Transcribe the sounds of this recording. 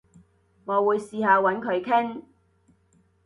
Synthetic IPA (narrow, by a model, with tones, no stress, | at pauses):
ŋɔː˨˧wuː˨˧jsiː˧haː˨˧wɐ˨˥nkʰɵ˨˧ɥkʰɪ˥ŋ